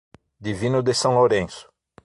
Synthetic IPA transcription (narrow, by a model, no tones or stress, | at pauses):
d̪ivĩnʊd̪ɪsɐ̃w̃loɾẽsʊ̥